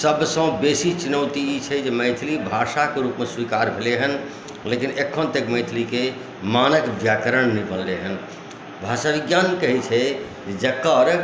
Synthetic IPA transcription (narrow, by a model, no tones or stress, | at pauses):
səbsə̃w̃besit͡ʃunəwt̪iit͡ʃʰɛd͡ʒeməɪt̪ʰlibʱasakeɾupmeswikaɾbʱeleɦən | lekinekʰːont̪ekməɪt̪ʰlike | manəkbjakəɾəɳnipəlleɦən | bʱasabiɡjankəɦit͡ʃʰɛ | d͡ʒed͡ʒəkːəɾ